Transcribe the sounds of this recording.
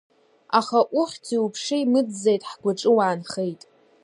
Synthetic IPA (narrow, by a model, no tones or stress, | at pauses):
aχaʔʊχʲtʰiupʰʂɨimɨd͡zːejtʼħɡʷaʈ͡ʂʼɨwaːnχejtʼ